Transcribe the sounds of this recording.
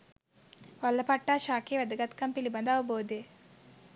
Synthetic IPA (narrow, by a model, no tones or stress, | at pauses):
ʋɐlːɐpɐʈːaːʃaːkeːʋæd̪ɐɡɐt̪kɐmpilibɐnd̪ɐʋɐboːd̪e